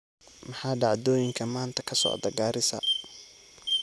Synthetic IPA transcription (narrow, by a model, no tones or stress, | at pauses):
mɐħɑːɖɑʕd̪ɔːjɪŋkʰɐmaːnt̪ʰɐ̥kʰɐsɔ̰ːd̪ɐɡaːɾɪsɐ̰